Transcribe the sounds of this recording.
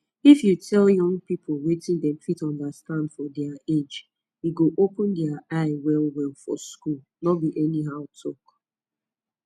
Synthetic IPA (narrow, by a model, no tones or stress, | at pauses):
ifjutʰɛljʌ̃ŋpipʰolwetɪ̃ndɛ̃mfitɔ̃ndastãndfɔdɛaed͡ʒ | wiɡoʔopʊ̃ndɛaaɪwɛlwɛlfɔ̰skul | nɔbiʔɛniɦaʊtʰɔk